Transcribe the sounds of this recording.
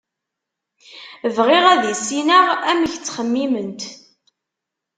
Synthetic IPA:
əvʁɪʁæðisinəʁæmiçt͡sːχəmːimənt̪

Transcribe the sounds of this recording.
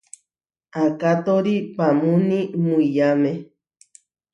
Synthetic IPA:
akat̪oɾipamũnimuijamẽ

